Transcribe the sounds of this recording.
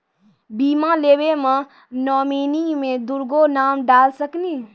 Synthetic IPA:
biːmaleːwemã | nɔːmiːnimẽd̪ʊɾɡonaːmɖaːlsəkniː

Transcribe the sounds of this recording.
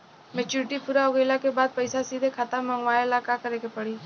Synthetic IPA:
mɛt͡ʃuːɾɪʈipuːɾaʊɡeːlakebaːd̪̚pɐɪsasiːd̪ʱekʰaːt̪amə̃ŋɡʋaːɪlaːkakəɾekepɐɽiː

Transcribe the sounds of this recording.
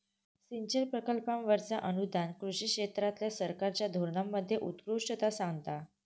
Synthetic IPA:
siɲt͡ɕəɾpɾəkəlpamʋəɾt͡saʔənud̪ʱankɾuɕiːkʂet̪ɾat̪ljasəɾkaɾt͡ɕjad̪ʱoɾɳamːəd̪ʱːjeʔut̪kɾuʂʈət̪asãŋɡt̪a

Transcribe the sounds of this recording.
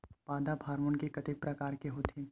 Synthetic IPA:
paːd̪apʰaːɾmʊnkekɐt̪ɪk̚pɾɐkaːɾkeɦoːt̪eː

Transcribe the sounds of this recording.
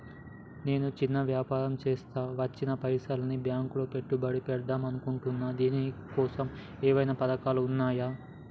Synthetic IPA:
ne̞ːnut͡ʃinːɐʋjaːpaːɾɐmt͡ʃeːst̪aːʋɐt͡ʃːinɐpɐjsaːlɐnibjaːŋkuloːpe̞ʈːubɐɽipɛɽd̪aːmɐnukuɳʈunːaːd̪iːnikɔːsɐm | ɛːʋɐjnɐpɐd̪ɐkaːluunːaːjaː

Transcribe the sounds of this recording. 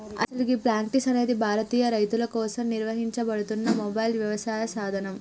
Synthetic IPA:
ɐ̰sɐlikipɾaːɳʈisɐne̞ːd̪ibʱaːɾɐt̪iːjɐɾɐjt̪ulɐkɔːsɐmniɾʋɐɦiɲt͡ʃɐbɐɽut̪unːɐmɔbɐjlʋjɐʋɐsaːjɐsaːd̪ʱɐnɐm

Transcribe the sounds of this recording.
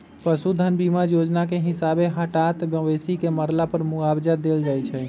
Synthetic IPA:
pəsud̪ʱənbimajod͡ʒnakeɦɪsabeɦəʈat̪bəʋesikeməɾlapəɾmʊabd͡ʒad̪eld͡ʒaːjt͡ʃʰɛ

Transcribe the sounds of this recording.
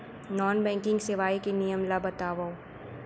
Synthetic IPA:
nɔːnbɛ̃ːŋkɪ̃ŋɡsɪʋaːikenijəmlabɐt̪aːʋa

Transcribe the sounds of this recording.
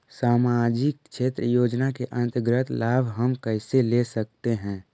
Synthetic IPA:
saːmad͡ʒɪk̚ʃʰeːt̪ɾəjoːd͡ʒnakeʔə̃nt̪əɡɾət̪ʰlaːbʱɦəmkəɪselesək̚t̪eɦɛ̃ː

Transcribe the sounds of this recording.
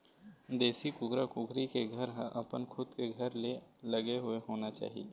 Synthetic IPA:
d̪eːsikʊɡɾakʊɡʰʱɾikeɡʱɐɾɦəʔɐpənkʰʊd̪keɡʱɐɾlelɐɡeɦʊeɦoːnat͡ʃa̰ːɦḭe

